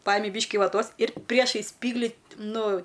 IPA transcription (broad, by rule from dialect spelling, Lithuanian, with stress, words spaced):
ˈpɑːjɪmʲɪ ˈbʲiːʃʲkʲɪ ʋɐˈtoːs ɪr ˈpʲrʲiɛʃɐɪs ˈsʲpʲiːɡlʲɪ ˈnʊ